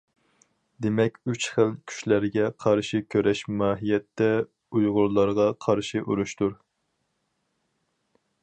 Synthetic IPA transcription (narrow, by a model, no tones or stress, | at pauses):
d̪emɛkʲyt͡ʃχəlkʲʰy̥ʃlæɾɡʲɛqʰɑɾʃikʲʰøɾɛʃmɑːɦijɛt̪ʰːɛ | ujʁʊɾlˠɑɾʁɑqʰɑɾʃiʔuɾuʃt̪uɾ